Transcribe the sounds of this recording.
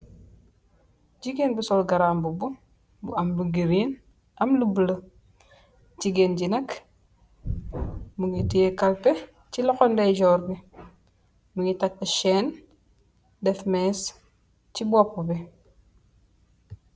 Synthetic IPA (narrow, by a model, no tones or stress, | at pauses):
ɟiɡenbusɔlɡɐɾaːmbubu | buɐmluɡiɾin | ʔɐmlubələ | d͡ʒiɡenɟinɐk | muŋɡitijekɐlpe | cilɔxɔndɛjɟɔːɾbi | muŋɡitak̚tɐʃɛn | dɛfmɛs | t͡ʃibɔpːubi